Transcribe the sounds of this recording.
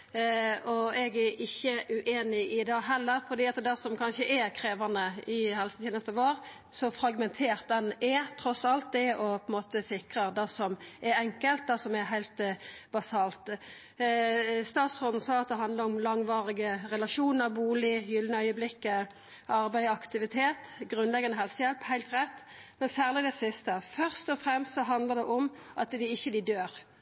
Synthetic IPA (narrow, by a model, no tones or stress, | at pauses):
ɔɛɡæʔɪçːəʔʉʔeːnɪʔɪd̪ɑːɦɛlːəɾfɔɾd̪iːɑt̪d̪ɛsɔmkʰɑnʃəʔɛkʰɾeːʋɑnəɪhɛlsʰjeːnəst̪əʋoːɾ | sɔfɾɑɡmɛnt̪ʰeːʁt̪̚d̪ɛnɛt̪ʰɾɔsɑlt̪̚d̪ɛʔɔpʰɔɛnmoːt̪əsɪkɾəd̪ɛsɔmʔɛɾɛŋkəlt̪̚d̪ɛsɔmɛɦæɪlt̪bɑsɑːlt̪ | st̪ɑːt̪sʁɔd̪n̩sɑːɑt̪̚d̪ɛɦɑnd̪ləɾʊmlɑŋʋɑːʁɪɡəʁɛlɑʃuːnəɾbuːlɪjʏlnəœʏəblɪkːə | ʔɑʁbæɪɑkt̪ɪʋɪt̪ʰeːt̪ɡʁʉnlɛɡɑnəɦɛlsəjɛlphæɪt̪ʁɛt̪ː | mɛnsæːʁlɪd̪ɛsɪst̪əfœʁst̪ɔfʁɛmst̪sɔɦɑnd̪ləʁd̪ɛʔɔmʔɑt̪d̪ɪɪçːəd̪ɪd̪øːɾ